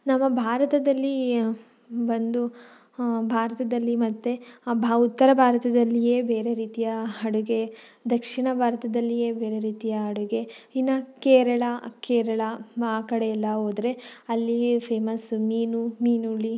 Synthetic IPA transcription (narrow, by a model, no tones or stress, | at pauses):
nɐmːɐbʱaːɾɐt̪ɐd̪ɐlːi | bɐnd̪u | bʱaːɾɐt̪ɐd̪ɐlːimɐt̪ːebʱaut̪ːɐɾɐbʱaːɾɐt̪ɐd̪ɐlːijeːbeːɾe̞ɾiːt̪ijɐɦɐɽuɡe̞d̪ɐkʂiɳɐbʱaːɾɐt̪ɐd̪ɐlːijeːbe̞ːɾeɾiːt̪ijɐɦɐɽuɡe̞inɐkeːɾɐɭɐkeːɾɐɭɐaːkɐɽeɛlːɐɦoːd̪ɾe̞ɐlːipʰeːmɐsmiːnumiːnuɭi